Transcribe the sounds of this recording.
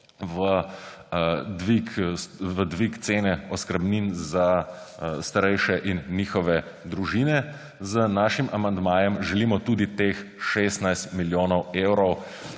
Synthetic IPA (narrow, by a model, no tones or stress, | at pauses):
ʋə | d̪ʋikʋəd̪ʋikt̪seːnɛɔskəɾbniːnza | st̪aɾɛjʃɛʔinːiːxɔʋɛ | d̪ɾuʒiːnɛ | zənaːʃimamand̪maːjɛmʒɛliːmɔt̪uːd̪it̪eːxʃeːst̪najst̪miljoːnɔwewɾɔw